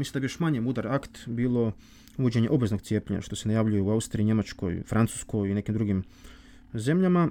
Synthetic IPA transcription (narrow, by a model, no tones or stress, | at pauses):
misimd̪abijoʃmaɲemud̪aɾakt̪biːlˠo̞ | uʋod͡ʑe̞ɲeʔo̞bʋe̞zno̞ɡ̚tsjepʲʎeɲa̰ʃt̪o̞se̞najaʋʎujeuaust̪ɾiiɲe̞mat͡ʃko̞̰jfɾant̪u̥sko̞jine̞kimd̪ɾuɡim | ze̞mʎama